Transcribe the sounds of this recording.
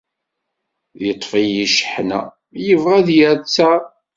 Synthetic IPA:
jət̪ˤːfijiʃħnæ̰ | jəvʁæðjæɾt͡sːæ

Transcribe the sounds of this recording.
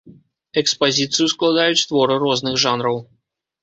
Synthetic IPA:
ɛkspazʲit̪sɨjusklˠad̪ajut͡sʲst̪vɔɾɨɾɔznɨxʐanɾɐw

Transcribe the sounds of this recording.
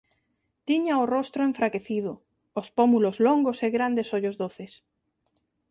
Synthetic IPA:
t̪iɲaorost̪ɾoeɱfɾake̞θiðo | ospomulozloŋɡoseɣɾand̪e̞soʎozðoθes

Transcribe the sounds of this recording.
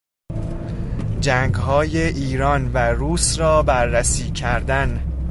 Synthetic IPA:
d͡ʒæŋɡɦɒːjeʔiːɾɒːnvæɾuːsrɒːbæɾːæsiːcʰæɾd̪æn

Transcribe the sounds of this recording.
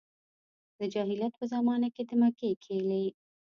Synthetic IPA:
d̪̥əd͡ʒɑɦɪlat̪̚pəzɑmɑnaked̪əmakekʰele

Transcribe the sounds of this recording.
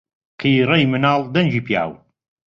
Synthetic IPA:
kʰijɾɐjmɨnaːlˠd̪ɐnd͡ʒiːpija̰ːw

